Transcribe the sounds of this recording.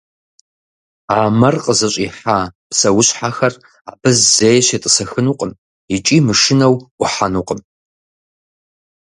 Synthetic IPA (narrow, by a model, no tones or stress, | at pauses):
aːmɐrqʼəzɐɕʷʼiħaːpsɐwʊɕħaxɐr | a̰bɨzzeːjʃɐtʼɨsɐxɨnuqʼəm | it͡ʃʼimɨʂɨnɐwʷʊħanuqʼəm